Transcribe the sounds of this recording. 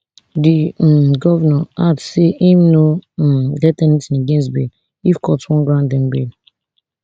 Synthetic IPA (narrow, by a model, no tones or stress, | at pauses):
diɛmɡɔvɛnaadseʔimnomdɛtɛnitsĩnaɡẽns̬tbḛl | ifkʰɔtwɔ̃nɡɹãʊndɛ̃nbḛl